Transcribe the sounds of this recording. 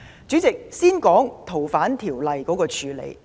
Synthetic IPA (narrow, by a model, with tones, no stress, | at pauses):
t͡syː˨˥t͡sɪ˨k̚siː˥nkɔː˨˥ŋt̪ʰo˨˩wfaː˨˥nt̪ʰiː˨˩wlɐ˨˧jkɔː˨˥kɔː˧t͡ʃʰyː˨˧lḛ˨˩j